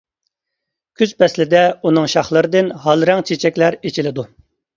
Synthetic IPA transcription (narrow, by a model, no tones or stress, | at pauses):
kʲʰyz̥pɛslɪd̪ɛunɨŋʃɑχlˠəɾɨd̪ɨnɦɑlˠɾɛŋt͡ʃʰet͡ʃʰɛkʲlæɾet͡ʃʰilɪd̪u